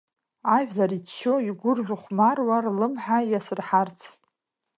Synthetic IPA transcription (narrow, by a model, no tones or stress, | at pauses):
aʒᶣzaɾit͡ʃːo̞iɡʷʊrʒʷᶣʊχʷmarwarlɨmħajasɨrħart͡sʰ